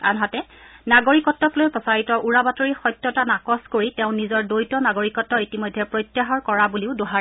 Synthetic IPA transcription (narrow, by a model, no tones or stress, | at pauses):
a̰nɦatɛnaɡoɹikɔtːɔklojpɔsaɹitɔʔuɹabatoɹixɔjtjɔtanakɔskoɹitɛʊ̃nizɔɹdojtɔnaɡoɹikɔtːɔɹitimɔjdʱːɛpɹojtːjaɦɔɹkɔɹabuliʊdoɦa